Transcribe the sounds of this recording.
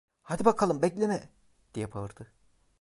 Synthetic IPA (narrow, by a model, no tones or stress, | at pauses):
had̪ibakʰalˠɯmbɛclʲenɛ | d̪̥ijɛpʰavɯɾd̪̥ɯ